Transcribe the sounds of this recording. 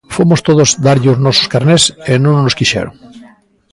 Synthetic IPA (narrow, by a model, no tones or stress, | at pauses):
fomost̪oðozd̪aɾʎɪoznɔso̥skaɾnesenõŋnoskiʃɛ̰ɾo̰ŋ